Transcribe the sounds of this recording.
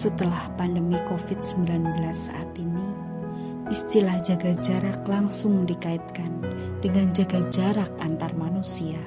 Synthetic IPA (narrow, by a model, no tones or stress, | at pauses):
sət̪əlahpandəmikofɪt̪̚səmbilanbəlasːa̰ʔat̪ini | ʔist̪ilahd͡ʒaɡad͡ʒaɾak̚laŋsʊŋdikaɪt̪̚kan | d̥əŋand͡ʒaɡad͡ʒaɾakant̪armanusia